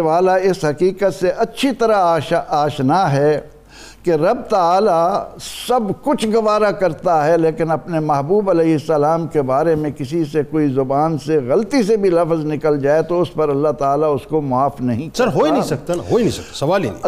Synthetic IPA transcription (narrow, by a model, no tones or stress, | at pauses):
ʋaːlaɪsɦɐkiːkət̪seʔɐtːʃʰit̪ɐɾaaːʃnaɦɛ | keɾɐb̚t̪aaːlasɐbkʊt͡ʃʰɡɐʋaːɾakɐɾt̪aɦɛleːkɪnɐpnemɐɦbuːbɐlɛːɦɪsːɐlaːmkebaːɾemẽkɪsisekoːizʊbaːnseɣɐlt̪isebʱilɐfznɪkəld͡ʒaːet̪oʊspɐɾɐlːaɦt̪aːlaʊskomʊaːfnɐɦĩksɐɾɦoːinɐɦĩsɐk̚t̪anaɦoːinɐ̃ɦĩsɐkt̪ḁsɐʋaːlḭn